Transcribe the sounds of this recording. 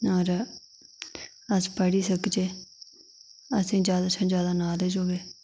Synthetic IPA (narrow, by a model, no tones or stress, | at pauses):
aːɾ | əspəɽiːsəkd͡ʒeː | əsĩːd͡ʒjaːd̪aːt͡ʃʰãd͡ʒjaːd̪aːnaːleːd͡ʒoːɡeː